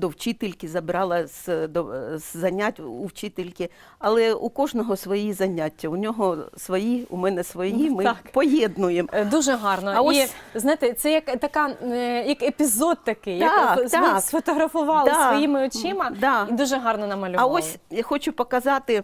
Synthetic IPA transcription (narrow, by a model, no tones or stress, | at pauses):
d̪ɔwt͡ʃit̪ɪlʲkʲɪzɐbɪɾɑlˠɐsd̪ɔzɐnʲat̚ʲuwt͡ʃit̪ɪlʲkʲɪ | ɐlˠɛukɔʒnɔɦɔsʋɔjizɐnʲatʲːɐunʲɔɦɔsʋɔjiṵmɛnɛsʋɔjimɪpɔjjɛd̪nʊjemd̪uʒɛɦɑrnɔɐɔiznajt̪ɛt̪sɛjɐkt̪ɐkɑjɐkepʲizod̪̚t̪ɐkɪj̪ɐkassfɔt̪ɔɦɾɐfʊʋɑlˠɐsɔjimɪɔt͡ʃimɐd̪ɑid̪uʒɛɦɑrnɔnɐmɐlʲʊʋɐosʲjxɔt͡ʃʊpɔkɐzɑt̪ɪ